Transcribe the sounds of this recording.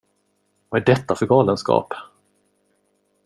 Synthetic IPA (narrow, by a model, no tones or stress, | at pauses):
vaæɖɛt̪ːafœɾɡɑːlənskɑ̰ːp